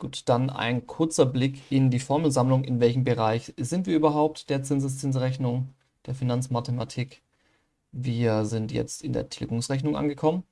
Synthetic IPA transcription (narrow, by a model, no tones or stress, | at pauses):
ɡ̥uːtd̥ana̰ɪnkʰʊɐt͡sɐblɪkʔɪndiːfɔɐml̩zamlʊŋɪnvɛlçm̩bəʁaɪçz̥ɪntv̥iːɐʔyːbɐɦaʊp̚td̥eːɐt͡sɪnzəst͡sɪnzʁɛçnʊŋ | d̥eːɐfinant͡smatʰematʰik | viːɐzɪntjɛ̰t͡stɪndḛːɐtʰlɪɡʊŋsʁɛçnʊŋʔa̰nɡəkʰɔmən